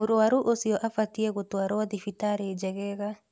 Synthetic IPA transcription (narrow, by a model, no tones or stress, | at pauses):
oɾoaɾuʔosiɔʔafatiɛɣotwaɾwaðifitaɾed͡ʒɛɣɛɣa